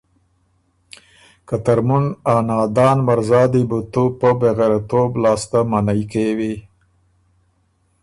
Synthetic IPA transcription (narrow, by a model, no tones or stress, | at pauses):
kat̪aɾmunɑnɑd̪ɑːnmaɾzɑːd̪ibut̪upəbeɣaɾat̪oblɑːst̪amanajkewi